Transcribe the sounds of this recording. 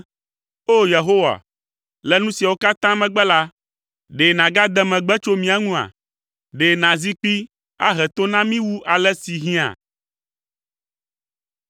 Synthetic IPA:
o˦je˨ɦo˦wa̰˨ | lɛ˦nũ˦si˨a˨wo˦ka˦t̪ã˦mɛ̃˨ɡ͡bɛ˦la˦ | ɖe˨nã˨ɡa˦d̪ɛ˦mɛ̃˨ɡ͡bɛ˦t͡ʃo˦mĩ˨a˨ŋũ˦a̰˨ | ɖe˨nã˨zi˦k͡pi˦ | a̰˦ɦɛ˨t̪o˦nã˦mĩ˦wu˦ʔa˨lɛ˦si˨ɦĩ˦a̰˨

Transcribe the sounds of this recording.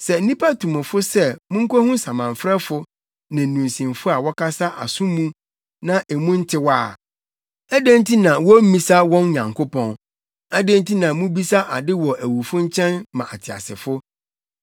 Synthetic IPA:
sɛ˨n̩˦nĩ˦pʰa˦tʰũ˨mʊ̃˨fʊ˦sɛ˦mʊ̃˦ŋ̩˦kʰɔ˦hũ˦sã˨mã˨ɱfɾɛ˦fʊ˦ | nã˨n̩˨ũ˨nsĩ˨mfʊ˦a˨wɔ˦kʰa˦sa˦ʔa̰˨sũ˦mũ˦ | nã˦ʔe˨mũ˦n̩˦tʰɪ˦waː˦˨ | æ˦dẽ˦n˦tʰi˦nã˨wɔ˦mĩ˦sa˦wɔ̃˦n˦ɲã˨ŋkʰo˦pɔ̃˦n | a˦dẽ˦n˦tʰi˦nã˨mũ˦bi˦sa˦ʔa˨dɪ˦wɔ˨ʔæ˨wu˨fʊ̃˦ɲ̩˦t͡ɕʰɛ̃˦nmã˨ʔa˨tʰɪ˨a̰˨sɪ̰˨fʊ˦

